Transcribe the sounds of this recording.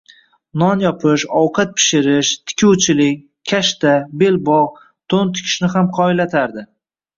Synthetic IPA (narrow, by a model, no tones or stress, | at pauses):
nɒnjɒpʰɪʃɒwqʰat̪̚pʰɪ̥ʃɪɾɪʃt̪ʰɪ̥kʲʰuwt͡ʃʰɪlɪkʲ | kʲʰːaʃt̪abe̞lbɒʁ | t̪ʰont̪ʰɪ̥kʲʰɪ̥ʃnɪɦamqʰɒɪlat̪ʰaɾd̪ɪ